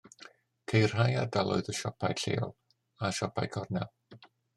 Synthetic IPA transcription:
kʰejr̥ɦajardalˠʊ̰ɨðəʃɔpʰajɬḛːɔ̰lˠ | aʃɔpʰajkʰɔrnɛ̰lˠ

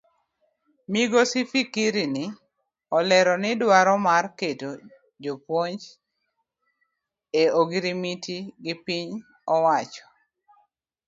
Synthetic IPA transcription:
miɡosifikiɾinɪ | ɔlɛɾɔnɪdwaɾɔmarketo | d͡ʒopwoɲd͡ʒt͡ʃ | eoɡiɾimitiɡɪpiɲ | ɔwat͡ʃɔ̥

